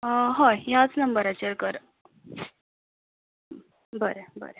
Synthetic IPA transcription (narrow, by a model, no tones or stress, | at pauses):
ɦojat͡snəmbəɾat͡ɕeɾkəɾ | bəɾebə̰ɾe